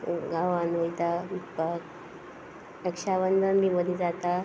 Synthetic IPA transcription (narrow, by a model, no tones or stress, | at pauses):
ɡaʋanʋəjd̪aʋipək | ɾəkʂaʋənd̪ənbiməd̪ʱjid͡zat̪a